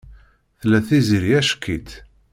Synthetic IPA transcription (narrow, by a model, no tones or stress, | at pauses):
θlːæθiziɾjæʃkːit̪